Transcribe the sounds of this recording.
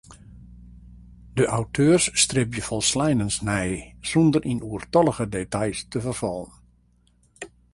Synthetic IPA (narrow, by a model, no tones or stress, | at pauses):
dəʔawtʰøːrsːtrɪp̚jəfɔlˠslɛjnənsnɛjsɔndərʔinʔuərtɔlˠəɣədetajstəvərfɔlˠən